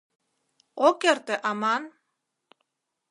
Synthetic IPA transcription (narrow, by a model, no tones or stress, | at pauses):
okert̪ĕʔɑmɑn